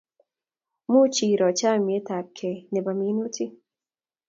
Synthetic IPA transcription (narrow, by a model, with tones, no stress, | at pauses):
mu˦t͡ʃiː˨ɾɔ˨t͡ʃaː˦mi˨e˦t̪a˨p̚kʰe˨ne˨ba˨mi˨˦nu˦t̪ʰi˦